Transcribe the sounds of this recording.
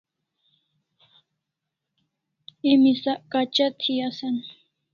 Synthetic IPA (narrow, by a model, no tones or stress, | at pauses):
emisaʔkat͡ʃat̪ʰiasan